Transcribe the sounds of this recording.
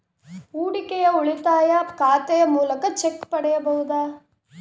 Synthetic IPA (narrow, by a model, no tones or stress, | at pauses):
uːɽikɛjɐuɭit̪aːjɐkaːt̪ɛjɐmuːlɐkɐt͡ʃekːpɐɽɛjɐbɐɦud̪aː